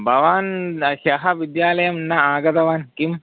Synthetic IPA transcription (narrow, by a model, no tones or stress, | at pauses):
bʱɐʋaːnʃɐɦɐʋid̪jaːlɐjɐmnːaaːɡɐt̪ɐʋaːnkim